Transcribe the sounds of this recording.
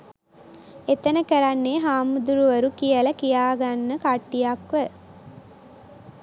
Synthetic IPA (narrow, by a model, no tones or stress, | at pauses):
et̪ənəkəɾanːeːɦaːmud̪uɾuʋəɾukijəlɐkijaːɡanːəkaʈːijakʋə